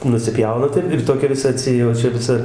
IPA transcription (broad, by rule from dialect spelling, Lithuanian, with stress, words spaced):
nʊsʲɪˈpʲjɛʊnɐ ˈtɐɪp ɪr ˈtoːkʲɛ ʋʲɪˈsɐ ɐtʲˈsʲɪ oː ˈt͡ʃʲɛ ʋʲɪˈsɐ